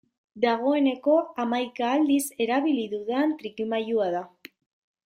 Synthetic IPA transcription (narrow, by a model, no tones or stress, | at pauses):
d̪aɣ̞o̞e̞ne̞ko̞amajkaːld̪ise̞ɾaβiliðuðeant̪ɾikimajuaða